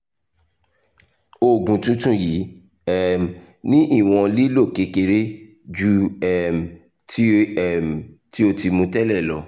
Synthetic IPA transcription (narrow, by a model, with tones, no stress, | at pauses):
o˦˨ɡũ˨tũ˦tũ˦˨ji˨˦ | ɛ˦m˨ | nĩ˦ʔi˦˨w̃ɔ̃˧li˦lo˦˨ke˨˧ke˧ɾe˦ | d͡ʒu˦ɛ˦˨m̩˨ | tʰi˦ɛ˦˨m̩˨ | ti˦o˦ti˧mũ˧tɛ˦lɛ˦˨lɔ˧˦